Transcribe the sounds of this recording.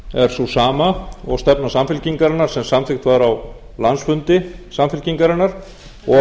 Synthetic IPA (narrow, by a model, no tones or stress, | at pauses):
ɛɾ̥susaːmaɔ̰ɣst̪ɛpnasamfɪlciŋkaɾanːaɾ̥sɛmsamθɪxt̪vaɾaw | lansfʏnt̪ɪsamfɪlciŋkaɾanːaɾ̥ | ɔ